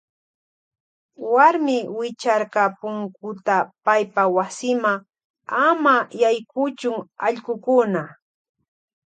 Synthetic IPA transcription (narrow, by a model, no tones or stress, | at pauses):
waɾmɪwɪt͡ʃaɾkɑpʊŋkʊt̪apajpawasɪmaŋ | amajajkʊt͡ʃʊŋaʎɢʊkʊna